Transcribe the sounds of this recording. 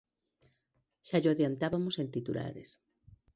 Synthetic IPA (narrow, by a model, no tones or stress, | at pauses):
ʃaʎoaðjant̪aβamosent̪it̪ula̰ɾḛs